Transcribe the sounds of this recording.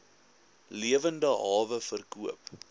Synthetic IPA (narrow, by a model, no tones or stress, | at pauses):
liəvəndəɦɑːvəfərkuəp